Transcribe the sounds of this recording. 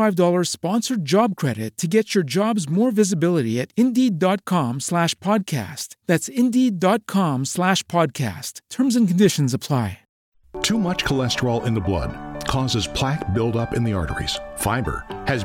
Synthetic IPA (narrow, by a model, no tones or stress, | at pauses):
aɪvdɔlˠə˞z̥spɑ̃nsə˞d͡ʒɑb̚kʰɹ̥ɛɾɨtʰɨɡɛt͡ʃə˞d͡ʒɑbzmɔɹvɪzɨbɪlˠəɾiɨɾɪ̃ndidɑt̚kʰɑ̃mslæʃpʰɑd̚kʰæ̰stðætsɪ̃ndidɑt̚kʰɑ̃mslæʃpʰɑd̚kʰæ̰stʰɜ̃˞mzɨ̃nkn̩dɪʃɨ̃n̩zəpʰl̥aɪ | tʰumʌt͡ʃkʰəlɛstə˞l̩ˠɪ̰̃nðəblʌ̰d̥̚kʰɔzɨz̥pʰl̥æk̚b̥ɪlˠtʌpɨ̃nðiɑ̰ɹɾə̰˞ḭz̥faɪbə̰˞ɨz